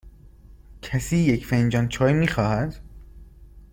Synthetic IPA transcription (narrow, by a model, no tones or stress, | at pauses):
cʰæsiːjecfend͡ʒɒːnt͡ʃʰɒːjmiːxɒːhæd̪